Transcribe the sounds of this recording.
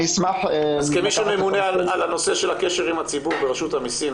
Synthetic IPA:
ismaħazkemiʃumemunealalano̞se̞ʃelakeʃeʁimhat͡sibuʁbeʁeʃut̪hamisim

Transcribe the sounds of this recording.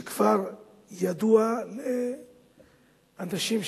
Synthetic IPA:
kv̥aɾ | jad̪uale | anaʃimʃ

